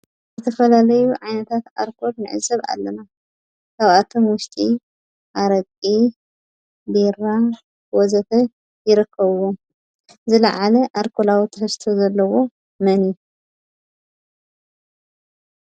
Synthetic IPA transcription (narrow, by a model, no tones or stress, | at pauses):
zzɨt̪ʰɐfɐlalɐjuʕajnɐt̪ʰat̪a̰ɾkʰo̞d̪nɨʕɨ̰zɐβa̰lːɐna | kʰaβʔat̪ʰomwʊʃt̪ʼi | ʔaɾɐkʼi | biɾa | wɔzɐfɐ | jɪɾɨkʰːɐβɨwo | zɨlɐʕalɐʔaɾkʰolawit̪ʰɐħɨst̪ʰozɐlːɐwo̞ | mɐnju